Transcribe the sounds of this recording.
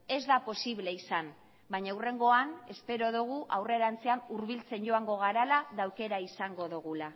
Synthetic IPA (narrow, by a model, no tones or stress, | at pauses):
e̞zðapo̞siβle̞isan | bajɲawre̞ŋɡo̞ane̞spe̞ɾo̞ðuɣ̞uʔawre̞ɾant͡seanuɾβilt͡se̞nɟo̞aŋɡo̞ɣ̞aɾalaðawke̞ɾaisaŋɡo̞ðuɣ̞ula